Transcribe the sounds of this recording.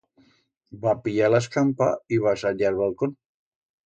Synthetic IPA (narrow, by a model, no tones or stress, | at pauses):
bapiʎalaskampa̰iβasaʎaɾβalˠkon